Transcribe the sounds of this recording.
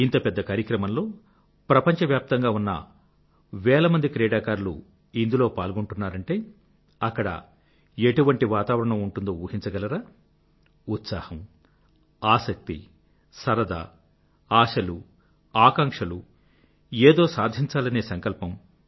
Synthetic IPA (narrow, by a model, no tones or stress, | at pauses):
int̪ɐpɛd̪ːɐkaːɾjiɐkɾɐmɐmlo̞ː | pɾɐpɐɲt͡ʃɐʋjaːp̚t̪ɐŋɡaːunːɐ̰ | ʋɛːlɐmɐnd̪ikɾɛːɽaːkaːɾlṵ | ind̪ulo̞ːpaːlɡoɳʈunːaːɾɐɳʈe̞ː | ɐkːɐɽɐ̰ | eʈuʋɐɳʈiʋaːt̪aːʋɐɾɐɳɐmuɳʈund̪oːuːhint͡ʃɐɡɐlɐɾaː | ut̪saːhɐm | aːsɐk̚t̪ḭ | sɐɾɐd̪a̰ | aːʂɐlu | aːkaːŋkʂɐlu | eːd̪o̞ːsaːd̪ʱiɲt͡ʃaːlɐne̞ːsɐŋkɐlpɐm